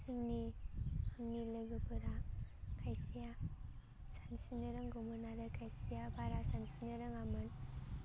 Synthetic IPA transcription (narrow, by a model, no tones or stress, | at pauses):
sɯŋnihaŋnilɯɡɯbɯɾakʰajsija | sansinɯɾɯŋɡomɯnaɾɯkʰajsijabaɾasansinɯɾɯŋamɯn